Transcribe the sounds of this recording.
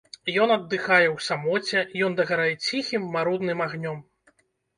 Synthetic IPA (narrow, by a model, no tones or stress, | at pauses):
jɔnɐd̪ːɨxajɛwsamɔt͡sʲɛjɔnd̪ɐɣaɾajɛt͡sʲixʲimːaɾud̪nɨmaɣnʲɔm